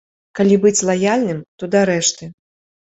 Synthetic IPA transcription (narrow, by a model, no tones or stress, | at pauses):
kalʲibɨt͡sʲlˠajalʲnɨmt̪ɔd̪aɾɛʂt̪ɨ